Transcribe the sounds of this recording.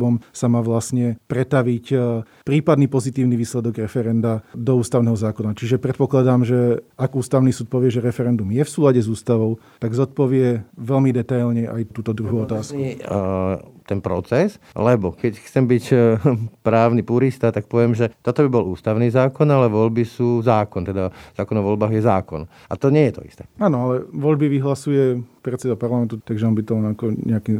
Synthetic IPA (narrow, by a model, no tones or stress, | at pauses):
ɔmsamaːʋlasɲɛpɾɛt̪aʋic | pɾiːpad̪niːpɔzit̪iːʊniʋiːslɛd̪ɔɡɾɛfɛɾɛnd̪ad̪ɔuːst̪aʊnɛɦɔzaːkɔnat͡ʃiʒɛpɾɛt̪̚pɔklad̪aːmʒɛaɡuːst̪aʊnisuːt̪̚pɔʋɪɛʒɛɾɛfɛɾɛnd̪umjɛfsuːlaɟɛzuːst̪aʋɔʊt̪aɡzɔt̪̚pɔʋɪɛʋɛlmid̪ɛt̪ajlɲɛʔa̰jt̪uːt̪ɔd̪ɾuɦuːɔt̪aːsku | t̪ɛnpɾɔt͡sɛs | lɛbɔkɛcxt͡sɛmbic | pɾaːʊnipuɾist̪at̪ak̚pɔʋɪɛmʒɛt̪ɔt̪ɔbibɔluːst̪aʊniːzaːkɔnalɛʋɔʎbisuːzaːkɔnt̪ɛd̪azaːkɔnɔʋɔlbaːɣjɛzaːkɔ̰n | ʔa̰t̪ɔɲɛjɛt̪ɔ̰ḭst̪ɛaːnɔalɛʋɔʎbiʋiɦlasujɛpɾɛt̪sɛd̪apaɾlamɛnt̪ut̪aɡʒɛɔnbit̪ɔmɔnakɔɲʔɛaki